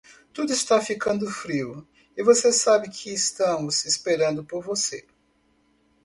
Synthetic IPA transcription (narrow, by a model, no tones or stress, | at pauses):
t̪ud̪ʊɪst̪afikɐ̃nd̪ʊfɾiwʊ | ɪvosesabɪkʰɪːst̪ɐ̃mʊzɪspeɾɐ̃nd̪ʊpoɾvose